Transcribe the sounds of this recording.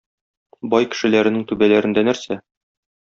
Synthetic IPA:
bɒjkɘ̥̆ʃɘ̆læɾɘ̆nɘŋt̪ʉbælæɾɘ̆nd̪ænæɾsæ

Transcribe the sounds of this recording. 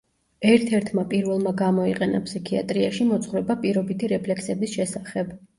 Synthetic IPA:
ɛɾt̪ʰɛɾt̪ʰmapʼiɾvɛlˠmaɡamɔiqʼɛna̰psikʰia̰t̪ʼɾiaʃimɔt̪sʰʼχvɾɛbapʼiɾɔbit̪ʰiɾɛpʰlɛksɛbisʃɛsaχɛb

